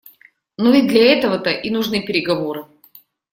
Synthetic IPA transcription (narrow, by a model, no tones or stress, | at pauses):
nuvʲɪd̪lʲɐɛt̪əvət̪əʔinʊʐnɨpʲɪɾʲɪɡɐvoɾɨ